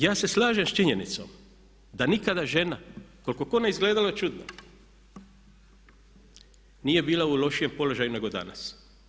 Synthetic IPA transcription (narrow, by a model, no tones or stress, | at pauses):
jaːse̞slaːʒemst͡ʃiɲenit̪so̞̰m | d̪anikad̪aʒe̞nako̞lko̞ko̞neizɡle̞ːd̪aloet͡ʃud̪no̰ | niːje̞biːlaulo̞ʃije̞mpo̞lo̞ʒajune̞ɡo̞d̪a̰na̰s